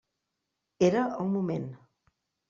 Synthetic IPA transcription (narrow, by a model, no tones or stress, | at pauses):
eɾəuŋmumẽn